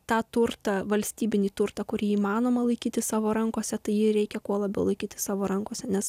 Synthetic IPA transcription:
t̪ɑːt̪ʊrt̪ɐʋɐlʲsʲt̪ʲiːbʲɪnʲiːt̪ʊrt̪ɐkʊɾʲiːiːmɑːnoːmɐlˠɐɪkʲiːt̪ʲɪssɑːʋoːɾɐŋkoːsʲɛt̪ɐɪjɪɾʲɛɪkʲɛkuɔlˠɐbʲɛʊlˠɐɪkʲiːt̪ʲɪssɑːʋoːɾɐŋkoːsʲɛnʲɛs

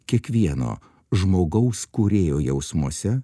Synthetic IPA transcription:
kʲiɛkʋʲiɛno̰ː | ʒmoːɡɐʊskuɾʲeːjoːjɛʊsmuɔsʲɛ

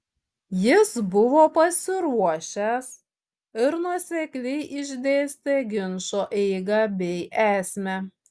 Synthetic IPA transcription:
jɪsbʊʋoːpɐsʲɪɾuɔʃʲɛs | ɪɾnuɔsʲɛkʲlʲɛɪʔɪʒʲd̪ʲeːsʲt̪ʲɛɡʲɪnʃoːʔɛɪɡɐbʲɛɪʔæːsʲmʲɛ

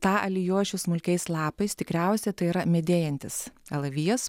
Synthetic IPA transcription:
t̪ɑːʔɐ̰lʲɪjuɔʃʲʊsmʊlʲkʲɛɪslˠɑːpɐɪst̪ʲɪkɾʲæˑʊsʲɛt̪ɐɪiɾɐmʲɛd̪ʲeːjɛnʲt̪ʲɪsɛlˠɐʋʲiɛs

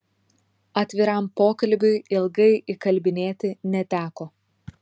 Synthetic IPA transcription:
ɐt̪ʲʋʲɪɾɐˑmpoːkɐlʲbʲʊɪɪlˠɡɐɪʔɪkɐlʲbʲɪnʲeːt̪ʲɪnʲɛt̪ʲæːkoː

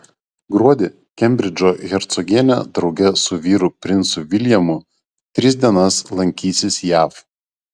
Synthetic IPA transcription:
ɡɾuɔd̪ʲɪ | kʲɛmʲbʲɾʲɪd͡ʒʲoːɣʲɛɾt̪sɔɡʲiɛnʲɛ̰d̪ɾɒʊɡʲɛsʊʋʲiːɾʊpʲɾʲɪnˑsʊʋʲɪlʲjɛmʊ | t̪ʲɾʲɪsʲd̪ʲiɛnɐslˠɐŋʲkʲiːsʲɪsjæːf

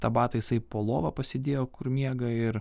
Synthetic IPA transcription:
t̪ɐbɑːt̪ɐjɪsɐɪpoːlˠoːʋɐpɐsʲeːd̪ʲeːjoːkʊɾmʲiɛɡɐɪɾ

